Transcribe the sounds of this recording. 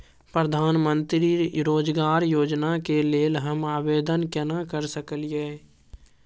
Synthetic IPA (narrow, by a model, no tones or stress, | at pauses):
pɾəd̪ʱaːnmə̃nt̪ɾiɾoːd͡ʒɡaːɾjoːd͡ʒnakeleːlɦəmaːʋeːd̪ənkɛnakəɾsəkəljeː